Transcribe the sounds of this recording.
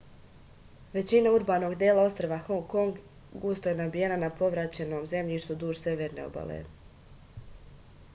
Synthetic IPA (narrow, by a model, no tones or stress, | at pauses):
ʋe̞t͡ɕinauɾbaːno̞ɡd̪jeːlˠao̞st̪ɾaʋaxoŋko̞ŋɡ | ɡust̪ojenabije̞nanapo̞ʋɾat͡ɕe̞no̞ːmze̞mʎiːʃt̪ud̪uːʒse̞ʋeːɾne̞o̰ba̰lḛ